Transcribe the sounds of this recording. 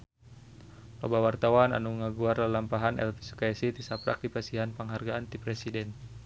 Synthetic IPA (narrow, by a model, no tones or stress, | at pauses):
lo̰bawart̪awana̰nuəŋaɡuarlalampaɦanɛ̰lfi̥su̥kaɛsit̪isapɾʔa̰k̚dipasiɦanpəŋɦarɡaːnt̪ipɾɛsidɛn